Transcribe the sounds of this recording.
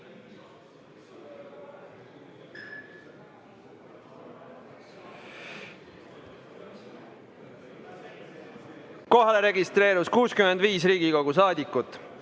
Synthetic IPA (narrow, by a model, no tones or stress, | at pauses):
ko̞ɦeleɾe̞ɡist̪ɾe̞ːɾuskuːskymend̪viːsɾiːɡ̥iko̞ɡus̬ɑːd̪ikːˑut̪ːˑ